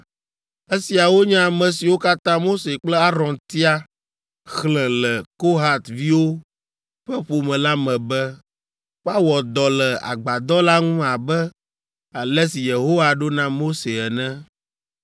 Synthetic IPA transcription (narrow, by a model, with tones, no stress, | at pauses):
e˦si˨a˨wo˦ɲã˦˨mɛ̃˨si˨wo˦ka˦t̪ã˦mo˦se˨k͡plɛ˦a˦ɾɔ̃˨nt̪i˦a˦ | xlɛ̃˨lɛ˨ko˦ɦa˦t̪vi˦wo˦ | ɸɛ˦ɸo˨mɛ̃˨la˦mɛ̃˨bɛ˦ | ɸa˦wɔ˨d̪ɔ˨lɛ˨a̰˨ɡ͡ba˨d̪ɔ˦la˦ŋũ˦a˨bɛ˦ | a˨lɛ˦si˨je˨ɦo˦wa˨ɖo˦nã˦mo˦se˨ɛ˨nɛ̃˦